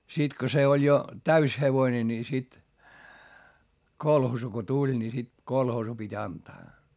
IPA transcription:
sit ko se olʲ jo tæys heʋoĭne ni sit kolhoːsu ko tulʲ ni sit kolhoːsu pitʲ ɑntɑː

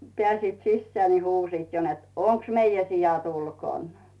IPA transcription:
pĕæˑsiːt sisːĕæː ni huːsiːt jo net oŋks meijæ sijɑt ulkoˑn

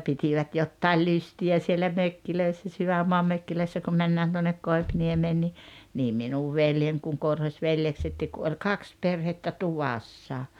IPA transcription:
pitiʋæt jotːɑil lystiæ sielːæ møkːiløisːæ syʋæmːoɑm møkːiløisːæ kum mænːæːn tuonːek koipniemeːn ni niː minuʋ ʋeljen kuŋ korhosʲʋeljeksetːiːk ku olʲ kɑks perhetːæ tuʋɑsːɑ

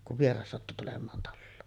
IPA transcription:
kuʋ ʋierɑs sɑtːu tulemˑɑːn tɑlːoːn

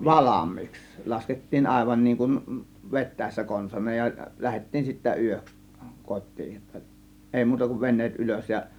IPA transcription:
ʋɑlɑmˑiːks lɑsketːiːn ɑˑe̝ʋɑn niːŋ kun ʋetˑæˑe̝sːæ konsɑnˑɑːj jɑ læhetːiːn sitːæ yøks kotˑiː tːə eˑi muːtɑ kuʋ ʋenˑeːt ʔyløs jɑ

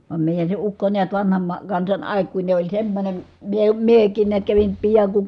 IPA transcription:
ʋɑm meˑijæn se ukːo niæt ʋɑnhɑm mɑ kɑnsɑn ɑˑikːuine olʲ semːonʲem miə miekˑiːn niæt kæʋin piɑŋ ku

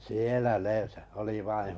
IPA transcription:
sielæ ne oli ʋɑin̞

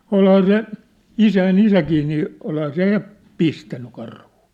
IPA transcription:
olhɑː se isæin isækiː niː olhɑː se jɑ pistænːy kɑrhu̥ː

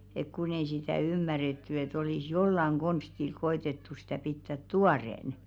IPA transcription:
ek kun ei sitæˑ ymːæretːy et olis jolːɑŋ ɡ̊onstil koetetːu sitæˑ pitːæt tuɑreˑn

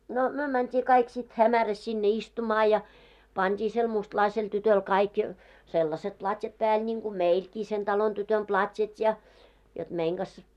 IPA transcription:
no myø mæntʲiː kɑik sit hæmæræs sinːe istumɑː jɑ pɑntʲiː sel mustlɑisel tytøl kɑik selːɑset plɑtʲjɑt pæːl nʲiŋɡ̊u meilkiː sen tɑlon tytøn plɑtʲjɑt jɑ jot meiŋ ɡ̊ɑs

